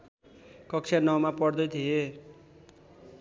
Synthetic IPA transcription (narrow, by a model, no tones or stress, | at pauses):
kʌkt͡sʰjanʌwmapʌɽd̪ʌjt̪ʰie